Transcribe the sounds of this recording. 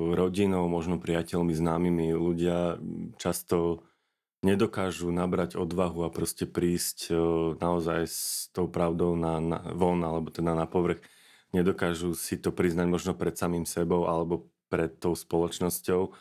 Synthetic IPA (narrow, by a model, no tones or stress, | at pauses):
ɾɔɟinɔʊmɔʒnɔpɾiacɛʎmiznaːmimiluɟɪat͡ʃast̪ɔ | ɲɛd̪ɔkaːʒunabɾaɟɔd̪ʋaɦuapɾɔscɛpɾiːscnaɔzajst̪ɔʊpɾaʊd̪ɔʊnana̰ʋɔnalɛbɔt̪ɛd̪anapɔʋr̩x | ɲɛd̪ɔkaːʒusit̪ɔpɾiznaɟmɔʒnɔpɾɛt̪samiːmsɛbɔʊʔalɛbɔ | pɾɛt̪ːɔʊspɔlɔt͡ʃnɔscɔʊ